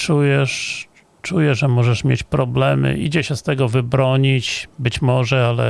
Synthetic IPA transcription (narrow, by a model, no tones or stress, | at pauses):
t͡ʂujɛʂ | t͡ʂujɛʐɛmɔʐɛʂmʲjḛt͡ɕpɾɔblɛmɘ̰ʔḭd͡ʑɛɕɛst̪ɛɡɔvɘbɾɔɲit͡ɕbɘt͡ɕmɔʐɛalɛ̰